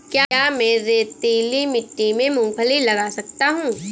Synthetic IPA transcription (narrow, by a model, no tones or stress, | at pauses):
kjaaːmɛ̃ːɾeːt̪eːlimɪʈːimẽmũːpʰəlilɐɡasɐkt̪aɦũː